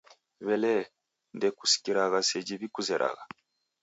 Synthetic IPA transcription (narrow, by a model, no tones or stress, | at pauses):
βele | ndeku̥si̥kiɾaɣaseɟiβikuzeɾʔa̰ɣa